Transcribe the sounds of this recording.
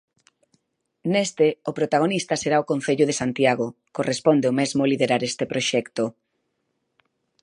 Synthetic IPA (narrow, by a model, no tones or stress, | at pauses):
nest̪eopɾot̪aɣ̞onist̪ɐseɾaokõn̟θeʎʊð̞esant̪jaɣ̞okorespond̪eomezmʊaliðeɾaɾest̪epɾoʃɛkt̪o